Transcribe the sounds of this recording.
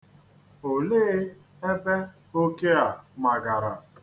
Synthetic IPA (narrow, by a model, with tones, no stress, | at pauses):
o˨le˦ | e˦be˦ | o˦ke˦a˨ma˨ɡa˨ɾa˨